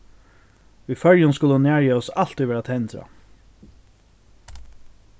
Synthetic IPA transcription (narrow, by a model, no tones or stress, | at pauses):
ifœljʊnskʊləhʊnæːɹjɛːɔsal̥t̪ɪʋɛːɾat̪ʰɛnt̪ɾa̰